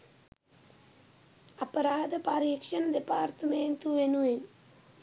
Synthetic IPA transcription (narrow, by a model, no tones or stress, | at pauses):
apəɾaːd̪əpaɾiːkʂənəd̪epaːrt̪əmeːnt̪uʋenuʋen